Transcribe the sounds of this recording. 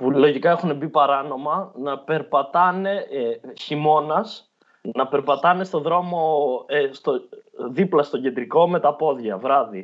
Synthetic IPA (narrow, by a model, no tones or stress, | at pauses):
pulo̞ʝikɐe̞xune̞bipɐɾɐno̞mɐnɐpe̞ɾpɐt̪ɐne̞çimo̞nɐs | nɐpe̞ɾpɐt̪ɐne̞st̪o̞ðɾo̞mo̞st̪oðiplɐst̪o̞ɟe̞nd̪ɾiko̞me̞t̪ɐpo̞ðʝɐvɾɐði